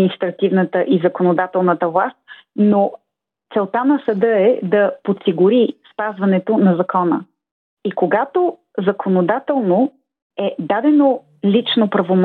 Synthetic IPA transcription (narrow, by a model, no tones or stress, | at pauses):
nist̪ɾɐt̪ivnət̪əʔizɐkonod̪at̪ɛlˠnət̪əvlˠast̪̚ | no | t̪sɛlˠt̪anɐsɐd̪ɤɛd̪ɐpot̪siɡʊɾispazvɐnɛt̪onɐzɐkɔnə̰ | ikoɡat̪o | zɐkʰonod̪at̪ɛlˠno | ɛd̪ad̪ɛno | lʲit͡ʃnopɾɐvom